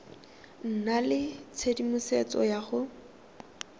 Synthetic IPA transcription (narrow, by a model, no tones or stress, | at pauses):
n̩nalɪt͡sʰedimʊset͡sɔ̰jaχʊ